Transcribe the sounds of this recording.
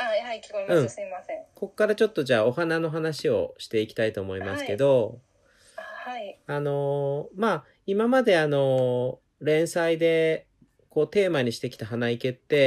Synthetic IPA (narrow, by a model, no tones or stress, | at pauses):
ɯ̟̃ɴmaẽko̞kokːaɾat͡ɕo̞t̪ːo̞ʑaːo̞hanano̞ɦanaɕio̞̰ɕi̥t̪e̞ikʲi̥t̪ait̪o̞ːmo̞imasɨ̥ke̞d̪o̞ | aano̞maː | imamad̪e̞ano̞ | ɾẽ̞ɰ̃said̪e̞ | ko̞ːt̪e̞ːmaɲ̟iɕi̥t̪e̞kʲi̥t̪aɦanaike̞t̪ːe̞